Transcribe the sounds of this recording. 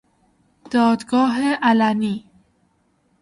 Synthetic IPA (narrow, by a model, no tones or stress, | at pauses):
d̪̥ɒːd̪ɡɒːɦeʔælæniː